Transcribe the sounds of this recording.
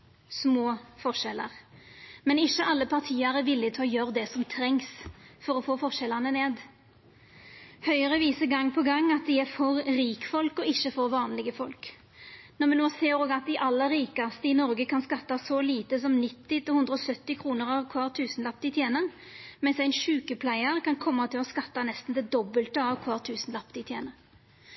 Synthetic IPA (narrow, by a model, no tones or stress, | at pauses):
smoːfɔʁʂɛlə̰ʁmɛnɪçəʔɑlːəpʰɑʁt̪ʰiːəɾɛʋɪlːɪt̪ʰɑːjøʁd̪ɛsɔmt̪ʰɾɛŋsfɔʁɔfoːfɔʁʂɛlɑnəneːd̪ | hœʏəʁəʋiːsəɡɑŋːpʰɔɡɑŋːɑt̪̚d̪ɪæɾfɔʁɾiːkfɔlkɔɪçːəfɔːɾʋɑːnlɪɡəfɔlk | nɔʁmɛnoːseːɾoːɡɑt̪̚d̪ɪʔɑlːəɾɾiːkɑst̪əɪnɔɾɡəkʰɑnskɑt̪ːɑsɔliːt̪əs̬ɔmnɪt̪ːɪt̪ɪlhʊnd̪ɾʁəɔsœt̪ːɪkʰʁuːnəʁɑʋkʰʋɑːʁt̪ʰʉːsnlɑp̚t̪ɪt̪ʰjeːnəʁ | mɛnsæɪnʃʉːkəpʰlæɪəʁkʰɑnkʰɔmːɑt̪ʰɪlɔskɑt̪ːɑnɛst̪n̩d̪ɛd̪ɔbəlt̪əɑʋkʰʋɑːʁt̪ʰʉːsn̩lɑpt̪ɪt̪ʰjeːnəʁ